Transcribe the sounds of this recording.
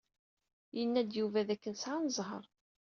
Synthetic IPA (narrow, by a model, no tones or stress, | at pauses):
jənːæd̪juvæðækːənsʕanəzˤɦə̰ɾˤ